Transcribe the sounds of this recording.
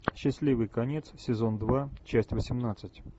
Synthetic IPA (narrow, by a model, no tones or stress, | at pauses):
ɕːɪsʲlʲivɨjkɐnʲet̪ssʲɪzo̞nd̪vat͡ɕæsʲtʲvəsʲɪmnat̪sɨtʲ